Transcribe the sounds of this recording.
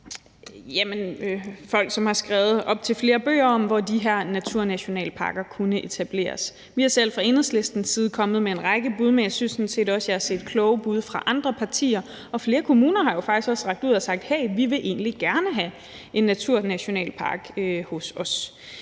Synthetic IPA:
jæmənfɒ̽l̰ɡ̥sɒ̽mhɑ̈sɡ̥ʁɛːʊð̩ˠʔɒ̽b̥̚t͡sʰe̝lfle̝ːɐb̥ø̰ːɐɒ̽mʋɒd̥iɦeɐ̰næt͡sʰuɐ̰næɕo̝nɛ̰ːləpʰɑ̈ːɡ̥ɐkʰunəʔe̝t͡sʰæb̥le̝̰ːɐs | ʋihɑ̈sel̰fʁɑ̈e̝n̩sle̝sd̥n̩siːð̞̩ˠkʰɒ̽məð̞̩ˠmee̝nʁɑ̈ɪɡ̥əb̥uð̞ˠmejæsynsːɒ̽nse̝̰ːd̥ɒ̽sjɑ̈hæse̝̰ːd̥̚kʰlɔ̽ʊb̥uð̞ˠfʁɑ̈ʔɑ̈nd̥ʁɐpʰɑ̈t͡sʰḭːɐ | ɒ̽fle̝ːɐkʰo̝muːnɐɦɑ̈jo̝fɑ̈ɡ̥isɡ̥ɒ̽sʁɑ̈ɡ̥d̥uð̰ˠɒsɑ̈ɡ̥̚d̥heɪʋiʋe̝ʔe̝ːnliɡ̥æɐnəɦæ | ʔe̝nːæt͡sʰuɐ̰næɕo̝nɛ̰ːlpʰɑ̈ɡ̥øhɔ̽sɒ̽s

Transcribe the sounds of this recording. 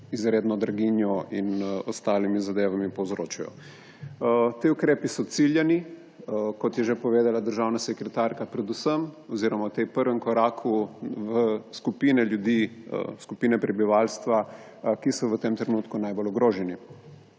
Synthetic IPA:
izɾeːd̪nɔd̪ɾaɡinjɔinɔst̪aːlimizad̪eːʋamipowzɾoːt͡ʃajɔ̰ | t̪iukɾeːpisɔt̪siljɛni | kɔt̪jɛʒepɔʋeːd̪alad̪əɾʒawnasɛkɾɛt̪aːɾkapɾɛd̪usəmɔziːɾɔmaut̪epəɾʋɛŋkɔɾaːkʰuʋəskupiːnɛljud̪iskupiːnɛpɾɛbiʋalst̪ʋa | kisɔʋət̪emt̪ɾɛnuːt̪kunajbolɔɡɾoːʒɛni

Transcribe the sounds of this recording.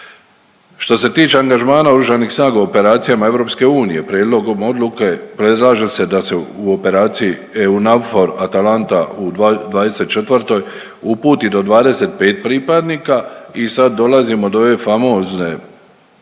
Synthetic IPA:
ʃt̪o̞se̞t̪iːt͡ʃe̞aŋɡaʒmaːnaoɾuʒanixsnaːɡauope̞ɾaːt̪sijamae̞ʋɾo̞pske̞uːnije̞pɾjeːd̪lˠo̞ɡo̞mo̞d̪luke̞pɾe̞d̪laːʒese̞d̪ase̞uo̞pe̞ɾaːt̪siji | eunaʋfo̞ɾat̪alant̪aud̪d̪ʋaːd̪e̞se̞t̪̚t͡ʃe̞t̪ʋɾt̪o̞j | upuːt̪id̪o̞d̪ʋaːd̪e̞se̞t̪̚pe̞ːt̪̚pɾiːpad̪niːkaisad̪ːo̞lazimo̞d̪ooʋe̞famo̞ːzne

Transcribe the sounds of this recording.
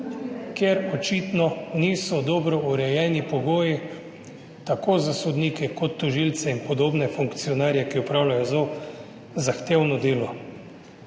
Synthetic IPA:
kjɛɾɔt͡ʃiːt̪nɔniːsɔd̪ɔbɾɔuɾɛjɛːnipɔɡoːji | t̪akoːzasɔd̪niːkɛkɔt̪ːɔʒilt̪sɛinpɔd̪oːbnɛfuŋkt̪sijɔnaːɾjɛkiɔpɾaːwlʲajɔzo | zaxt̪eːwnɔd̪eːlɔ

